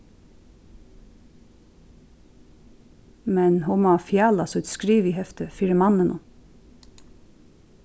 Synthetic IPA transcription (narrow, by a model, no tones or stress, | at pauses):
mɛnhʊmɔfjɑːlɑsœt̪skɾiːʋiɦɛft̪əfiːɾəmɑnːənʔʊ